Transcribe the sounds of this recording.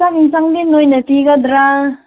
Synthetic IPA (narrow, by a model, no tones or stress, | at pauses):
sakiŋsaŋdinojnɐt̪iɡad̪ɾa